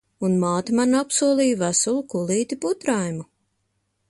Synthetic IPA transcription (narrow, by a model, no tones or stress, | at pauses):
unmaːt̪imanapsuɔlˠiːjvæsulˠukulˠiːt̪iput̪ɾajmu